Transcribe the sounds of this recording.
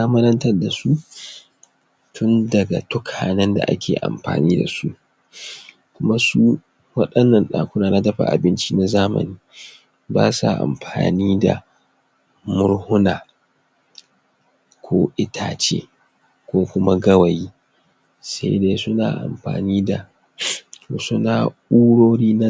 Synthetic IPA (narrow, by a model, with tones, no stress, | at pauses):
za˦mɐ˦ɾɐ˦ntɐ˦rda˨su˦ | tʰʊ˦ndɐ˨ɡa˨tʊ˦kʰaː˨nɛ˦nda̰˨ʔa̰˦kʲʰeː˨ʔa̰˨mɸa̰ː˨niː˦da̰˨su˦ʔ | kʷʊ˦ma˦su˦ | wɐ˦ɗɐ˦nːɐ˨nɗaː˨kʷʊ˦naː˨na˦tɐ˦ɸa̰˨ʔa̰˨bɪ˦nt͡ʃi˦na˦zaː˦mɐ̰˨niː˦ | ba̰ː˦sa̰˨ʔa̰˨mɸaː˨niː˦da̰˨ | mʊ˦ɾhʊ˦naː˨ | kʷʰoː˦ʔɪ˦tʰaː˨t͡ʃḛː˦ | kʷoː˦kʷʊ˦ma˦ɡɐ˦wa˨jiː˦ | sa̰˦jdeː˦sʊ˦na̰ː˨ʔa̰˨mɸa̰ː˨niː˦da˨ | to˨sʊ˦naː˨ʔuː˦ɽoː˦ɽiː˦na˦